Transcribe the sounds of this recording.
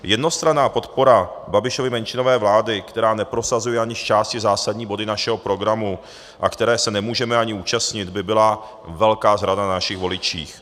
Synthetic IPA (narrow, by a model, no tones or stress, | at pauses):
jɛdno̞st̪ɾanaːpo̞t̪po̞ɾababɪʃovɪmɛnt͡ʃɪno̞vɛːvlaːdɪkt̪ɛɾaːnɛpɾo̞sazujɛaɲɪʃt͡ʃaːscɪzaːsadɲiːbo̞dɪnaʃɛɦo̞pɾo̞ɡɾamu | ʔa̰kt̪ɛɾɛːsɛnɛmuːʒɛmɛaɲɪuːt͡ʃast̪ɲɪd̪bɪbɪla | vɛlkaːzɾadannaʃɪɣvo̞lɪt͡ʃḭːx